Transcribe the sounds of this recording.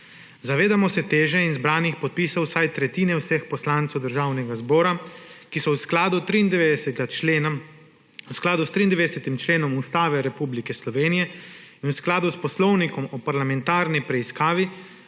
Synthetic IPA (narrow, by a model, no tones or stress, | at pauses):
zaʋeːd̪amɔsɛt̪eːʒɛinzbɾaːnixpɔt̪̚piːsɔwsajt̪ɾɛt̪iːnɛwsɛxpɔslaːnt̪sɛwd̪əɾʒaːwnɛɡazbɔːɾakisɔwsklaːd̪ut̪ɾiːnd̪ɛʋeːd̪ɛsɛa | usklaːd̪ust̪ɾiːnd̪ʋeːd̪ɛsɛt̪imt͡ʃleːnɔmust̪aːʋɛɾɛpublikɛslɔʋeːnijɛinwsklaːd̪uspɔslɔwnikɔmɔpaɾlamɛnt̪aːɾnipɾɛiskaːʋi